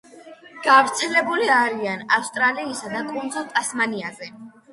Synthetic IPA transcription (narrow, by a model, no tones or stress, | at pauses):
ɡ̥avɾt̪sʰɛlɛbuliaɾianafst̪ʼɾaliːsad̪akʼund̪zɔlˠt̪ʼasmaniazɛ